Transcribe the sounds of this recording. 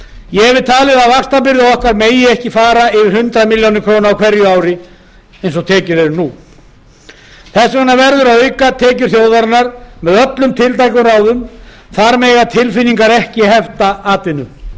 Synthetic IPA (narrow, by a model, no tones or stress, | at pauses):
jɛɛvɪðt̪ʰaːɣlɪðaðvakst̪apɪɾðɪaɔhkaɾmeːjɪɛhcɪfaːɾaɪvɪɾhʏnt̪ɾamiljownɪkʰɾoːwnaawkʰvɛɾjʏaːwɾɪ | ejns̬ɔɣt̪ʰɛːcʏɾɛɾnu | θɛsːɛnːavɛɾðʏɾaœɥkat̪ʰɛːcʏɾ̥θjoːwðaɾnaɾmɛðœplʏmt̪ʰɪlt̪ajkʏraːwðʏm | θaɾmɛːɣat̪ʰɪlfɪnːiŋkaɾɛhcɪhɛft̪aaːt̪ɪnʏ